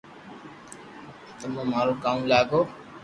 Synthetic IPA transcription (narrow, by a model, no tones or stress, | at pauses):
t̪ʌmʌmaɾokaũlaɡo